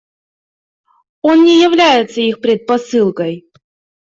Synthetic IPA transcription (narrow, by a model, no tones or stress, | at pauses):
o̞nnʲɪjɪvlʲæjɪt̪səixpʲɾʲɪt̪̚pɐsɨlˠkəj